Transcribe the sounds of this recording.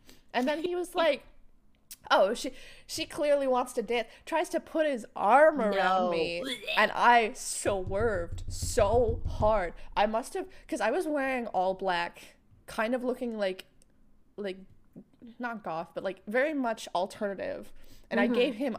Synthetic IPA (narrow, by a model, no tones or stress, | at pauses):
ʔɨ̃nðɨ̃niwʌzlaɪk | ʔoʊʃiʃikʰl̥ɪɹliwɑ̃ntstɨdæ̃ntʰɹ̥aɪz̥tʰɨpʰʊt̚hɨzʔɑ̰ɹmə˞ãʊʊ̃ñnmiɨ̃nʔa̰ɪsoʊwɜ˞vd̥soʊhɑɹdʔaɪmʌst̚hɨv̥kʰʌzaɪwʌzwɛɹɪ̃ŋɔlˠblækʰː | ãɪ̃ndʌvlʊkɪ̃ŋlaɪk | laɪk̚ | nət̚ɡ̥ɔfb̥ʌt̚ˡlaɪkvɛɹimʌt͡ʃl̩ˠtʰɜ˞nɨɾɪ̰v̥ʔɨ̃ñaɪɡeɪv̥ɪ̃m